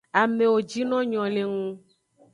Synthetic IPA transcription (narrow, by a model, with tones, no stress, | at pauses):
a˨mẽ˨wo˨d͡ʒi˦nɔ̃˦ɲɔ̃˨le˨ŋũ˦